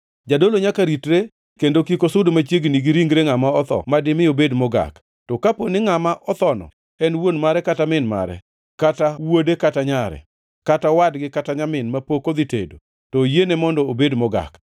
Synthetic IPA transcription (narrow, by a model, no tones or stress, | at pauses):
d͡ʒadoloɲakaɾitɾe | kendokikosʊdomat͡ʃjeɡniɡiɾiŋɡɾeŋamaɔt̪ɔ̰madɪmɪobedmɔɡa̰k | tɔkaponɪŋamaʔɔt̪ɔnɔ̰ | ɛnwonmaɾɛkatamɪnma̰ɾɛ̰ | katawodekataɲaɾɛ̰ | katawadɡɪkataɲamɪnmapokod̪itḛdo̰ | tɔjenemɔndɔobedmɔɡa̰k